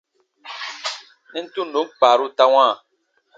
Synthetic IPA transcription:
ni˦n̩˦tu˦n˨o˨˦m˦k͡paː˨ɾu˦ta˦wã˦˨

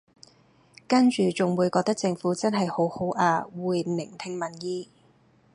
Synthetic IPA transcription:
kɐ˥nt͡ʃyː˨t͡sʊ˨ŋwuː˨˧jkɔː˧t̪ɐ˥k̚t͡sɪ˧ŋfuː˨˥t͡sɐ˥nɦɐ˨jho˨˥who˨˥wʔaː˧wuː˨jnɪ˨˩ŋt̪ʰɪ˧ŋmɐ˨˩njiː˧

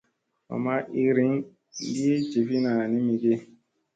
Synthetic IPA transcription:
a̰˨ma˦ʔi˦ɾi˦ŋ | di˦e˦d͡ʒe˨fi˦na˨ni˦mi˨ɡe˦

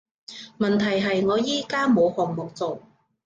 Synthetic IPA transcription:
mɐ˨˩nt̪ʰɐ˨˩jɦɐ˨jŋɔː˨˧jiː˥kaː˥mo˨˧whɔː˨˩ŋmʊ˨k̚t͡so˨w

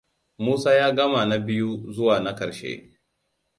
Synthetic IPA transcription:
muː˦saː˦jaː˦ɡɐ˦ma˨na˦bɪ˦ju˦zʊ˦waː˨na˦kɐ˨ɾʃḛ˦

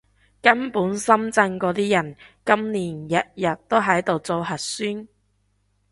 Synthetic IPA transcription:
kɐ˥npuː˨˥nsɐ˥mt͡sɐ˧ŋkɔː˧t̪iː˥jɐ˨˩nkɐ˥mniː˨˩njɐ˨t̚jɐ˨˩t̚t̪o˥wɦɐ˨˥jt̪o˨wt͡so˨˧wɦɐ˨t̚syː˥n

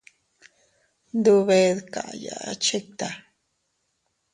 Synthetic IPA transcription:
nd̪u˧βe˧ðka̰˨ʔja̰˨ʔa˦t͡ʃe˦k̚t̪a˨

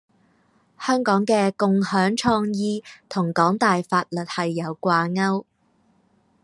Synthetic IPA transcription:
hœː˥ŋkɔː˨˥ŋkɛː˧kʊ˨ŋhœː˨˥ŋt͡ʃʰɔː˧ŋjiː˧t̪ʰʊ˨˩ŋkɔː˨˥ŋt̪aː˨jfaː˧t̚lɵ˨t̚hɐ˨jːɐ˨˧wkʷaː˧ŋɐ˥w

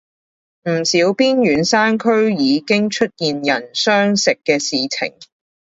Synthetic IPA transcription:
m̩˨˩siː˨˥wpiː˥njyː˨˥nsaː˥nkʰɵ˥ɥjiː˨˧kɪ˥ŋt͡ʃʰɵ˥t̚jiː˨njɐ˨˩nsœː˥ŋsɪ˨kːɛː˧siː˨t͡sʰɪ̰˨˩ŋ

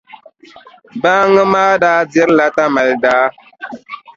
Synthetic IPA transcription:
baː˦ŋə˦maː˦daː˦dɛ˦ɾla˦ta˦ma˨ldaː˦

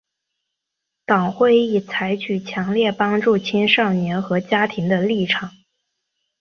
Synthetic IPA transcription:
t̪ɑ˨˩ŋxwe˥˧ɪi˥˩t͡sʰa˧˥ɪt͡ɕʰy˨˩t͡ɕʰjɑ˧˥ŋljɛ˥˩pɑ˥ŋʈ͡ʂu˥˩t͡ɕʰi˥nʂɑ˥˩ʊnjɛ˧˥nxɤ˧˥t͡ɕja˥t̪ʰi˧˥ŋd̪ə˧li˥˩ʈ͡ʂʰɑ˨˩˦

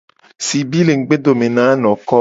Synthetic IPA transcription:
si˨bi˦le˨ŋ̩˨˦ɡ͡be˦d̪o˨me˨nã˨˦nɔ̃˨kɔ˦

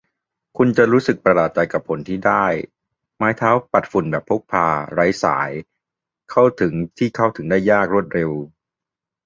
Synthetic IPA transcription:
kʰu˧nt͡ɕa˨˩ɾuː˦˥sɯ˨˩k̚pɾa˧laː˨˩t̪̚t͡ɕa˧jka˨˩pʰːo˩˦nt̪ʰiː˥˩daː˥˩j | maː˦˥jt̪ʰaː˦˥wpa˨˩t̪̚fu˨˩nbɛː˨˩pʰːo˦˥k̚pʰaː˧ɾa˦˥jsa̰ː˩˦j | kʰa˥˩wt̪ʰɯ˩˦ŋt̪ʰiː˥˩kʰa˥˩wt̪ʰɯ˩˦ŋdaː˥˩jːaː˥˩k̚ɾu˥˩ət̪̚ɾe˧w

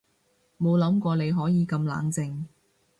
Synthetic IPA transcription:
mo˨˧wlɐ˨˥mkʷɔː˧ne˨˧jɦɔː˨˥jiː˨˧kɐ˧mla̰ː˨˥ŋt͡sɪ˧ŋ

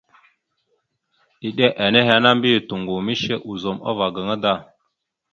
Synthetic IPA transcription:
ɗi˨ɗe˦ʔa˨ne˦ɦa˨˦na˦mbi˦˨tu˨ŋɡu˨mi˦ʃe˦ʔu˨zo˨ma̰˦va˨ɡə˨ŋə˦da˦˨

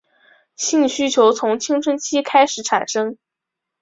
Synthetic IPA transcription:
ɕi˥˧ŋɕy˥t͡ɕʰjo˧˥ʊt͡sʰʊ˧˥ŋt͡ɕʰi˥ŋʈ͡ʂʰə˥nt͡ɕʰi˥kʰa˥ɪʂɻ̩˧˥ʈ͡ʂʰa̰˨˩nʂɤ˥ŋ

